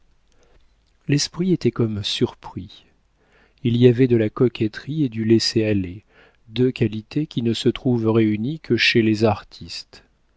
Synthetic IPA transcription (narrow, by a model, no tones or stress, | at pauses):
lɛspχiet̪ɛkɔmsyʁpχi | iliavɛd̪əlakɔkʲɛt̪χied̪ylɛseale | d̪økalit̪ʰekʲinəsət̪χuvʁeynikʰəʃelezaʁt̪ʰist̪